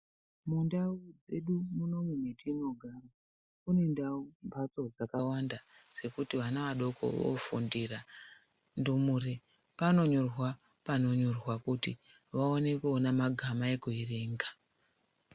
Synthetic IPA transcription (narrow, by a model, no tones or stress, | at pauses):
mundaud͡zeɗumuno̞mwenetino̞ɡʱara | une̞ndaumbʱat͡so̞d͡zakawandad͡ze̞kutiʋanaʋaɗo̞kʰo̞̰ʋo̰fṵndira | ndumure | pano̞ɲorwa | pano̞ɲo̞rwakuti | ʋaone̞kuonamaɡʱamae̞kuireːŋɡa